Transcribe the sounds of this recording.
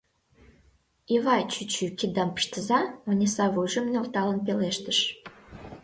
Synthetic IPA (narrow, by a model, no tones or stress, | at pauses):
iβɑjt͡ɕyt͡ɕykid̪ɑmpə̥ʃt̪əzɑonʲisɑβujʒə̆mnʲolt̪ɑlənp̬eleʃt̪əʃ